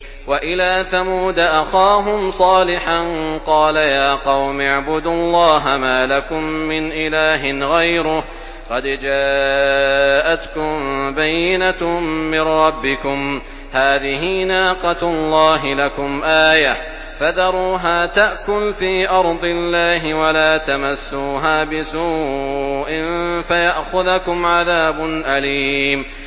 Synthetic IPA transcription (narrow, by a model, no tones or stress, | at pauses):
waʔɪlaːθamuːd̪aʔaxaːɦʊmsˤɑːlɪħanqɑːlajaːqɑwmaʕbʊd̪ʊlˤːɑːɦamaːlakʊmːɪnʔɪlaːɦɪnɣajɾʊ | qɑd̪d͡ʒaː | ʔat̪kʊmbajːɪnaːɪnɾˤɑbːɪkʊm | haːðɪɦinaːqɑlˤːɑːɦɪlakʊmʔaːja | fad̪ɑɾˤuːɦaːt̪aʔkʊlfiːʔɑɾˤd̪ˤɪlːaːɦɪwalaːt̪amasːuːɦaːbɪsuːʔɪnfajaʔxʊðkʊmʕaðaːbʊnʔaliːm